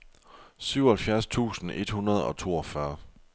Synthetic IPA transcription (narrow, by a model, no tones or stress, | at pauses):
syʊ̰ɐhelfjæɐst͡sʰṵːsn̩ʔe̝d̥hunɐð̞ˠɒ̽t͡sʰo̝̰ːɒ̽fɶɐ